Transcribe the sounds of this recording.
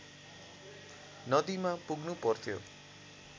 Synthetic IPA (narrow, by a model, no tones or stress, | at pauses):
nʌd̪imapuɡnupʌrt̪ʰjo̰